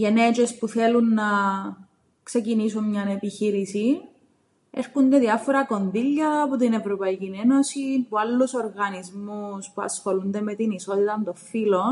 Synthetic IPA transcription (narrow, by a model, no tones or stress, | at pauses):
jenet͡ʃespuθe̞lunːɐ | kse̞cinisunɲɐne̞piçiɾisi | eɾkund̪eðiɐfoɾɐko̞nðiʎːɐːpot̪̬ine̞vɾopɐicine̞no̞sinpualːuso̞ɾɣɐnizmuspuɐ̰sxo̞lund̪e̞me̞t̪iniso̞t̪it̪ɐmt̪o̞ffilo